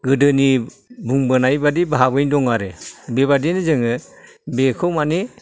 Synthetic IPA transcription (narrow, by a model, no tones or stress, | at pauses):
ɡɯdɯnibuŋbɯnajbadibaɦabɯjndɔŋaɾebebadinizɯŋɯ | bekʰɯwmani